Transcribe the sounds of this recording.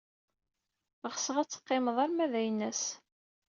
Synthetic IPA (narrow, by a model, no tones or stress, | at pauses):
ʁsəʁæt͡sːə̥qːɪməðˤɑɾmæðæjənːæs